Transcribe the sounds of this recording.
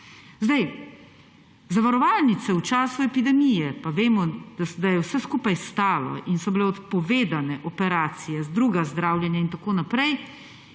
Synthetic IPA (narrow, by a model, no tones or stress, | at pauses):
zd̪aj | zaʋaɾɔʋaːlnit̪sɛut͡ʃaːsuɛpid̪ɛmijɛpaʋeːmɔd̪ad̪ajɛwsɛskuːpajst̪aːlɔ̰ʔinsɔbilɛɔt̪pɔʋeːd̪anɛʔɔpɛɾaːt̪sijɛzd̪ɾuːɡazd̪ɾaːwlʲjɛnjaint̪akoːnapɾɛj